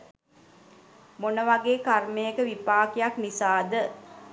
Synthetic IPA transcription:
monəʋaɡeːkarmejəkəʋipaːkijaknisaːd̪ə

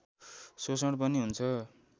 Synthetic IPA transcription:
sosʌɽpʌniɦunt͡sʰʌ

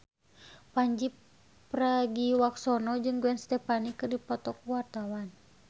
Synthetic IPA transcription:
paɲd͡ʒipː | raɡiwaksɔnɔd͡ʒɨŋɡuɛnst̪ɛpanikːɨrdipɔt̪ɔkwart̪awan

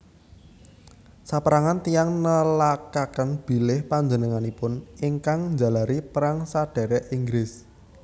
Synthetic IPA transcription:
sapəɾaŋant̪ijaŋnəlakakənb̥i̤lɪhpaɲd͡ʒənəŋanipʊniŋkaŋɲd͡ʒa̤laɾipɾaŋsaɖ̥ɛ̤ɾɛʔiŋɡɾɪs

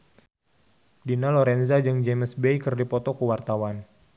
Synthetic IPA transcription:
dinalɔɾɛnzad͡ʒɨŋd͡ʒeməsbeikərdipɔt̪ɔkəwart̪awan

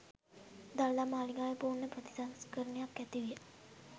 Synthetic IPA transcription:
d̪ald̪amaːliŋɡaːʋepuːrnːəpɾət̪i̥saskəɾənejakːæt̪iʋijə

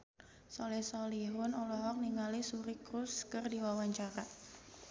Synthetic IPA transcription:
sɔlɛsɔliɦʊnɔlɔɦɔk̚niŋalisuɾikɾʊskərdiwawaɲt͡ʃaɾa

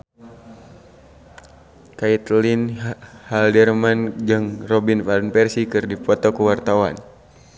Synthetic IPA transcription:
kait̪linhaldɛrmand͡ʒɨŋrɔbinfalnpɛrsikɨrdipɔt̪ɔkuwart̪awan

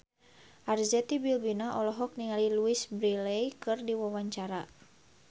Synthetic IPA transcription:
ʔarzɛt̪ibilbinaʔɔlɔɦɔk̚niŋaliluisbɾilɛjkɨrdiwawaɲt͡ʃaɾa

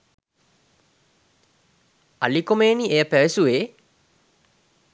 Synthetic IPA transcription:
alikomeːniejəpæʋesuʋeː

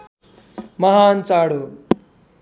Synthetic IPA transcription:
mɐɦaːnt͡saːɽo

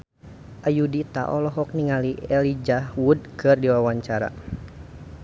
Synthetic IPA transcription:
ʔajudit̪a̰ʔɔ̰lɔɦɔk̚niŋaliɛlid͡ʒahwud̚kɨrdiwawaɲt͡ʃaɾa̰

